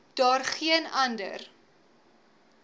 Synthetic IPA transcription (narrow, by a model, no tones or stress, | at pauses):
d̥ɑːrχiənɐndə̰r